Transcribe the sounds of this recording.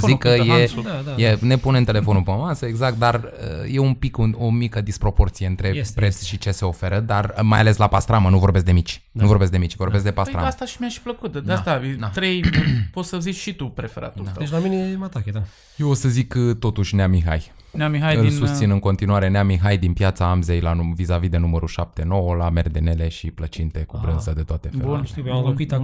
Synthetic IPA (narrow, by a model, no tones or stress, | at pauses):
zikːəjed̪d̪ajene̞punent̪e̞le̞fo̞nupəməmasəeɡzak̚t̪̚d̪arə̰je̞umpikuo̞mikəd̪ispɾo̞po̞rt̪sije̞ɨnt̪ɾe̞pɾet̪sʃit͡ʃe̞se̞o̞fe̞ɾəd̪armaja̰le̞slapast̪ɾamənuvo̞rbe̞s̬kd̪emit͡ʃ | nuvo̞rbesk̚d̪emit͡ʃvo̞rbeskd̪e̞pasa̰mast̪aʃimiaʃpləkut̪̚d̪d̪at̪avit̪ɾejpot̪səzit͡ʃʃit̪upɾefeɾa̰t̪ud̪et͡ʃlaminemat̪aked̪a | jewosəzikt̪o̞t̪uʃʲneamiɦa̰j | neamiɦajɨilnsust̪sinɨŋko̞nt̪inuwaɾe̞neamiɦajd̪inpjat̪saamze̞jlauvizavid̪e̞numəɾuʃap̚t̪e̞no̞wəlamerd̪ene̞le̞ʃiplət͡ʃint̪e̞kubɾɨnzəd̪e̞t̪oat̪e̞feuneialokuit̪a